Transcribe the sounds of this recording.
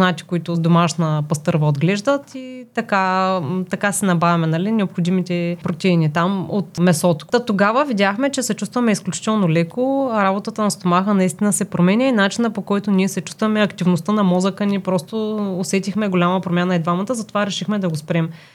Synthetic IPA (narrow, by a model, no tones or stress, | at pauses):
nat̪i̥koit̪ʊd̪omaʃnəpɐst̪ɤɾvəod̪ɡlɛʒd̪ət̪it̪ɐkat̪ɐkasɛnɐbavʲɐmɛnɐlinɛopxod̪imit̪ɛpɾot̪ʲɛinit̪amo̰t̪mɛsɔt̪o̥t̪oɡavəvidʲjaxmɛt͡ʃɛsɛt͡ʃust̪vɐmɛisklʲut͡ʃi̥t̪ɛlˠnolɛkoɾabot̪ət̪ənɐst̪omaxənɐist̪inəsɛpɾomɛnʲəinat͡ʃinəpokɔjt̪ʊniɛsɛt͡ʃu̥st̪vɐmɛɐkt̪ivnost̪ənɐmɔzəkənʲipɾɔst̪oʊːsɛt̪ʲixmɛɡolʲaməpɾomʲanəid̪vamɐt̪əzɐt̪ovaɾɛʃixmɛd̪ɐɡospɾɛm